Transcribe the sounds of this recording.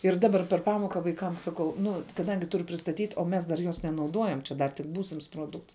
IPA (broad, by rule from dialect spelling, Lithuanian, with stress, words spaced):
ɪr ˈdɑːbɐr pʲɛr ˈpɑːmoːkɐ ʋɐɪˈkɐm sɐˈkɐʊ ˈnʊ kɐˈdɐŋʲɡʲɪ ˈtʊrʊ pʲrʲɪstɐˈtʲiːtʲ oː ˈmʲɛs dɐr ˈjoːs nʲɛnɐʊˈduɔjɛm t͡ʃʲɛ ˈdɐr tʲɪk ˈbuːsʲɪms ˈproːˌdʊkts